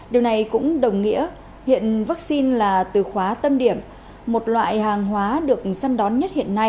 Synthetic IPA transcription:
ɗi˨˩əwna˨˩jkʊ̰˧˥ŋ͡mɗə˨˩wŋ͡mŋḭ˧˥ə | hḭ˧˨ənvaː˦˥k̚si˧nlaː˨˩t̪ɨ˨˩xwaː˨˦t̪ə˧mɗi˧˩əm | mo˨˩t̚lwa̰ː˧˨jhaː˨˩ŋɦwaː˨˦ɗɨ˨˩ək̚sa˧nɗɔ˨˦nɲə˦˥t̚hḭ˧˨ənːa˧j

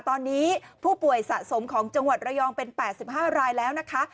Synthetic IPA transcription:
t̪ɔː˧nːiː˦˥pʰuː˥˩pu˨˩əjsa˨˩ʔso˩˦mkʰɔː˩˦ŋt͡ɕa˧ŋwa˨˩t̪̚ɾa˧jɔː˧ŋpe˧npɛː˨˩t̪̚si˨˩p̚hɦaː˥˩ɾaː˧jlɛː˦˥wna˦˥kʰa˦˥

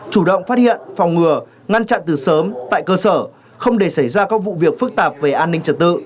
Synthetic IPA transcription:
t͡ɕu˧˩ɗə̰˧˨wŋ͡mfaː˦˥t̚hḭ˧˨ənfa˨˩wŋ͡mŋɨ˨˩ə | ŋa˧nt͡ɕa̰˧˨nt̪ɨ˨˩səː˨˦mt̪a̰ː˧˨jkəː˧səː˧˩ | xə˧wŋ͡mɗe˧˩sa˧˩jzaː˧kaː˦˥k̚vṵ˧˨vi˨˩ək̚fɨ˦˥k̚t̪aː˨˩p̚ve˨˩ʔaː˧nːï˧ŋ̟t͡ɕə˨˩t̚t̪ɨ̰˧˨

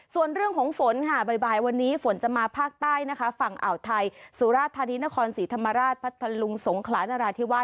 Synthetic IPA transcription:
su˨˩ənɾɯ˥˩əŋkʰɔː˩˦ŋfo˨˩˦nkʰa˥˩ba˨˩jbaː˨˩jwa˧nːiː˦˥fo˩˦nt͡ɕa˨˩maː˧pʰaː˥˩k̚t̪aː˥˩jna˦˥kʰa˦˥fa˨˩ŋʔa̰˨˩wt̪ʰa˧jsuː˨˩˦ɾaː˥˩t̪ʰːaː˧ni˦˥na˦˥kʰɔː˧nsiː˩˦t̪ʰa˧mːa˧ɾaː˥˩t̪̚pʰa˦˥t̪ʰːa˧lu˧ŋso˩˦ŋkʰlaː˩˦naː˧ɾaː˧t̪ʰi˦˥wa˦˥

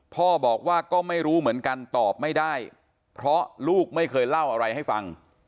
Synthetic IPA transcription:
pʰɔː˥˩bɔː˨˩k̚waː˥˩kɔː˥˩ma˥˩jɾuː˦˥mɯ˩˦ənka˧nt̪ɔː˨˩p̚ma˥˩jdaː˥˩j | pʰɾɔ˦˥luː˥˩k̚ma˥˩jkʰɤː˧jla˥˩wʔa˧ɾa˧jha˥˩jfa˧ŋ

